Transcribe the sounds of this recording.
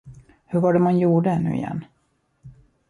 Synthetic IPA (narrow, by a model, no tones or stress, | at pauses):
hɵɾvaɖɛmanjuːɖəɛnːʉ̟ːɪ̰jɛ̰nː